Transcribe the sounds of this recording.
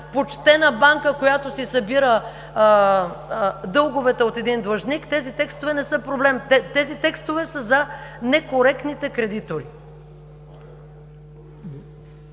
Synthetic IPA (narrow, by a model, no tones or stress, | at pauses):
pot͡ʃt̪ɛnɐbaŋkəkojat̪osisɐbiɾə | d̪ɤlˠɡovɛt̪ɛot̪ɛd̪ind̪lˠɐʒnikt̪ɛzit̪ɛkst̪ovɛnɛsɤpɾoblɛmt̪ɛt̪ɛzit̪ɛkst̪ovɛsəzɐnɛkoɾɛk̚t̪nit̪ɛkɾɛd̪it̪oɾi